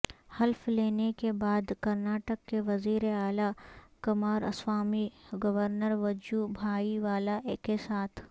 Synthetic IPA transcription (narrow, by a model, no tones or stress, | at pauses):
hɐlfleːnekebaːd̪kɐɾnaːʈəkːeʋɐziːɾeaːlakɐmaːɾɐ̰swaːmiɡɐʋəɾnəɾʋɐd͡ʒubʱaːiʋaːlakesaːt̪ʰ